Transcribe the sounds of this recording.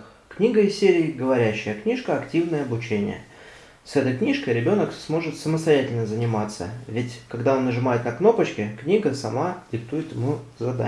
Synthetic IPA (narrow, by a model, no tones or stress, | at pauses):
knʲiɡəɪsʲeɾʲɪːɡəvɐɾʲæɕːɪjəknʲiʂkəɐktʲivnəjəɐbʊt͡ɕenʲɪ̰jə̰ | sɛt̪əjknʲiʂkəjɾʲɪbʲo̞nəksmo̞ʐɨt̪səməst̪ɐjætʲɪlʲnəzənʲɪmat̪sə̰vʲɪtʲkɐɡd̪aonːəʐɨmajɪt̪nɐkno̞pət͡ɕkʲɪknʲiɡəsɐmadʲɪk̚t̪ujɪt̪jɪmuzɐd̪a̰